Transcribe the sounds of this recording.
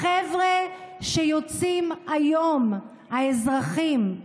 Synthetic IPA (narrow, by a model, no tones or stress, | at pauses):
evʁeʃejot͡simajom | haezʁaχim